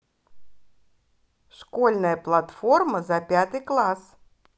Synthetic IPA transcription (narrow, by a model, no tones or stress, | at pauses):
ʂkolʲnəjəplˠat̪fo̞rməzɐpʲat̪ɨjklˠas